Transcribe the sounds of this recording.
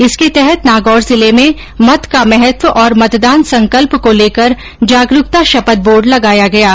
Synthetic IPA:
ɪsket̪ɛɦɛt̪naːɡɔːɾzɪlemẽ | mɐt̪kamɛɦɛt̪wəʔɔːɾmɐt̪d̪aːnsɐ̃ŋkəlpkoleːkəɾ | d͡ʒaːɡɾʊk̚t̪aʃɐpət̪̚boːɾɖlɐɡaːjaɡɐjaː

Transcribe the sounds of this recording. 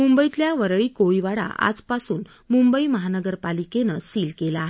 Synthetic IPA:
mumbəjit̪ljaʋəɾɭiːkoɭiʋaɽa̰ʔa̰d͡zpasuːn | mumbəiməɦanəɡəɾpalikenəsiːlkelaːɦe

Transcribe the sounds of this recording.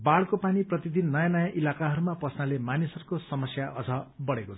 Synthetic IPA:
baɭkopaniprʌt̪id̪inːʌjanʌjãʔilakaɦʌɾumapʌsnalemanisʌɾukosʌmʌsjaʔʌd͡zʱʌbʌɽekot͡sʰ

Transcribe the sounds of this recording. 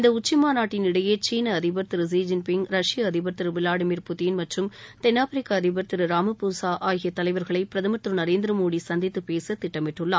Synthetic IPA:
ɪnd̪ɐʊt͡ʃːɪmaːnaːʈːɪnɪɽɐjeːt͡ʃiːnɐɐðɪbɐɾt̪ɪɾɯs̬iːd͡ʒɐnpɪŋɡɾɐʂɪjɐɐðɪbɐɾt̪ɪɾɯʋɪlaːɽɯmiːɾpʊt̪iːnmɐʈrɯmt̪ɛnːaːfɐɾɪkːaɐðɪbɐɾt̪ɪɾɯɾaːmɯpusaːʔaːjɣɪjɐt̪ːɐlɐɪʋɐɾɣɐɭɐɪpɪɾɐðɐmɐt̪ːɾɯnɐɾeːnd̪ɪɾɐmoːɽisɐnd̪ɪt̪ːɯpeːsɐt̪ːɪʈːɐmɪʈːɯɭːa̰

